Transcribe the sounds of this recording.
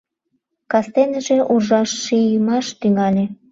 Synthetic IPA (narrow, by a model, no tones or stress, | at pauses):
kɑst̪enəʒĕʔurʒɑʃːijəmɑʃt̪yŋɑlʲe